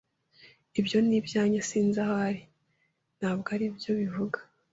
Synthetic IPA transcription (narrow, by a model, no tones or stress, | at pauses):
ibjo̞nibjaːɲasiːnzahoaɾi | n̥haːβɡaɾibjo̞βivuɡḁ